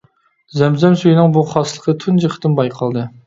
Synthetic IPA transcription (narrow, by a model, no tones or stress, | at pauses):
zɛmzɛmsyjinɪŋbuχɑslˠəqʰət̪ʰynd͡ʒəqʰə̥t̪ɨnbɑjqʰɑlˠd̪ɨ